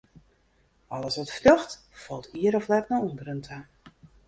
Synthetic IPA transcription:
ɔləsʋɔtflɔxt | fɔlˠtʰiəɾɔflɛtnaundəɾəntʰə

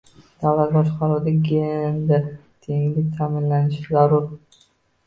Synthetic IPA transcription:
d̪̥awlat̪̚bɒʃqʰɑɾud̪aɡʲend̪at̪ʰeŋlɪk̚ʲt̪ʰamɪnlanɪʃɪzaɾʊɾ

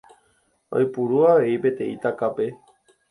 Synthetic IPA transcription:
o̰jpuɾuaʋe̞ipe̞t̪ẽ̞it̪akape̞

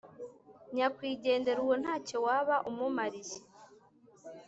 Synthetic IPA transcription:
ɲakwiːɟe̞ːnde̞ɾuwon̥haːco̞waβaʔumumaɾiʒe

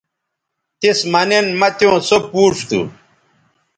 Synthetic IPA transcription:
t̪ismɐnenmɐt̪jõːsopuːʂt̪ṵ

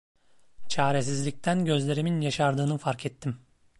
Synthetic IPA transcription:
t͡ʃʰaːɾesizlʲic̚t̪ʰænɟø̞zlʲe̞ɾiminjaʃaɾd̪ɯːnɯfaɾkʰɛt̪ʰːim

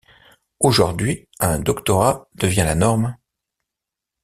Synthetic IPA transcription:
oʒuʁd̪ɥi | ɛ̃d̪ɔkt̪ɔʁad̪̥əvjɛ̃lanɔʁm

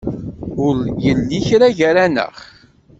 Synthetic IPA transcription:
ʊljəlːiçɾaʝəɾænə̰χ

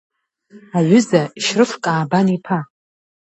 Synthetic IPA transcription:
aʕʷʏzaiʃrɨfkʼaːbanipʰa

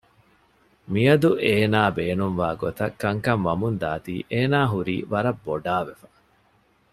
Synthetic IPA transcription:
miɐd̪uʔeːnaːbeːnumʋaːɡot̪ɐkːɐŋkɐŋʋɐmund̪aːt̪iːʔeːnaːɦuɾḭːʋɐɾɐbːoɖaːʋefɐ̥

